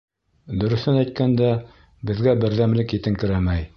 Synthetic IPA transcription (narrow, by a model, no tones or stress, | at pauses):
d̪ɵ̆ɾɵ̆θɘnæjt̪̚kænd̪æ | bɘ̆ðɡæbɘ̆ɾðæmlɘkit̪ɘŋkɘ̆ɾæmæj